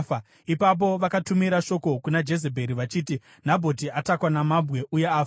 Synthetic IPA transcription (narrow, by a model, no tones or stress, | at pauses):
a | ipap̬o̞ʋakatumiɾaʃo̞ko̞kunad͡ʒe̞s̬ebʱe̞ɾiʋat͡ʃiːti | n̤abʱo̞t̬iatakwanamabʱɣe̞ʔujeaːfa